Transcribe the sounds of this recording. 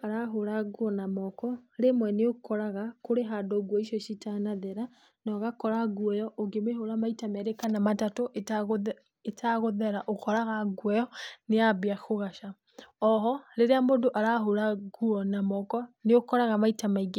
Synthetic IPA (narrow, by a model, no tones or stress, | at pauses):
aɾaɦoɾaɡuɔnamɔkɔɾemwɛneokʰɔɾaɣakoɾeɦadoɡwɔiʃjɔʃitanaðeɾa | nɔɣakɔɾaɡuɔjɔʔoɡemeɦoɾamaitamɛɾekanamatatoʔɣ | etʰaɣoðɛɾaʔokɔɾaɣaɡwɔjɔneabiaxoɣaʃa | ɔɦɔɾeɾeamodoʔaɾaɦoɾaɡuɔnamɔkɔneokɔɾaɣamaitamaiɡe